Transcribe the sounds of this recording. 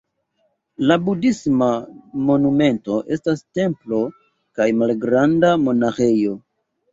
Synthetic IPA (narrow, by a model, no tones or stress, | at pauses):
labudismamo̞nume̞nto̞ʔe̞staste̞mplo̞ | kajmalɡɾandamo̞naxejo̞